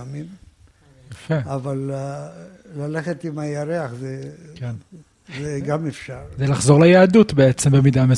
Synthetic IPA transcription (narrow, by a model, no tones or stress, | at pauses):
mim | jafeaval | laleχet̪imajaʁeaχzeken | zeɡamefʃaʁzelaχzo̞ʁlejaːdut̪beet͡sembemid̪ame